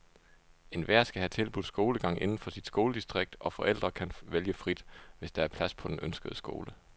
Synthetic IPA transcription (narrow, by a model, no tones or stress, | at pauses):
e̝nʋæɐ̰sɡ̥æhæt͡sʰe̝lb̥uð̥ˠsɡ̥o̝ːləɡ̥ɑ̈ŋ̰ʔe̝nn̩fɒ̽sid̥sɡ̥o̝ːləd̥isd̥ʁeɡ̥̚d̥ɒ̽fɒ̽ʔel̰d̥ʁɐkʰænʋeljəfʁid̥ʋe̝sd̥ɑ̈æɐpʰlæspʰɒ̽d̥enʔønsɡ̥əðˠsɡ̥o̝̰ːlə